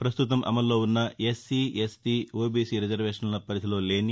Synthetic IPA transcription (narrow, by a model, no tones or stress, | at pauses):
pɾɐst̪ut̪ɐmʔɐ̰mɐlːo̞ːunːɐesːiesʈiːoːbiːsiːɾid͡ʒɐɾʋeːʂɐnlɐpɐɾɐt̪ʰilo̞ːle̞ːni